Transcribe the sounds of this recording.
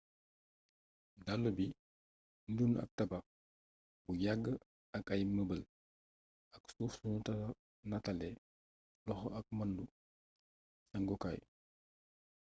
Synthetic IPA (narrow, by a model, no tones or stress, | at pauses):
dalːubi | ndunɐ̰k̚tɐbɐ | bujaɡːə | ɐkɐjməbəl | ɐksuːfsunutɐ | nɐtɐlɛ | lɔxɔɐk̚mɐndu | sɐŋɡɔka̰j